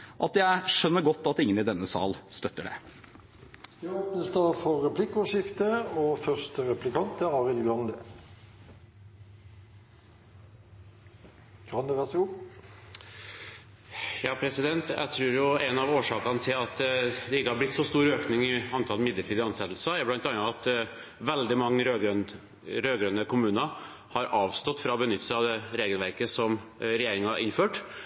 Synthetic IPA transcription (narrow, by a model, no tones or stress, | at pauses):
ʔɑt̪jæɪʂœnːəɡɔt̪ːɑt̪ɪŋːənɪd̪ɛnːəsɑ̰ːlst̪œt̪ːəɖɛ̰ | deoːpnəsd̪ɑːfɔːɛpʰlɪkːɔʂɪft̪əoːfœʁst̪əɾɛplɪkʰɑnt̪ʰəɑːʁɪlɡɑnd̪ə | kɑnd̪əʋæʁsɡu | jɑːpʰɾɛsɪd̪ɛnt̪æ̰ɪt̪ʰɾʉːɾjʊɛnɑʋoːʂɑːkɑnt̪ʰɪlɑt̪d̪ɛɪkːəhɑɾblɪt̪ːsɔst̪uːɾøːknɪŋɪɑnt̪ʰɑlmɪd̪əʈʰiːd̪əɑnsɛt̪l̩sɑɛblɑnt̪ɑnɑɑt̪ | ʋɛld̪ɪmɑŋːəɾøɡn | ɾøːɡɾønəkʰʊmʉːnə | hɑɾɑːʋst̪ɔt̪fɾɑɔbənʏt̪ːəsəɑʋd̪ɛɾeːɡəlʋæɾkəsɔmɾɛjeːɾɪŋɑɑʔɪnføːʈ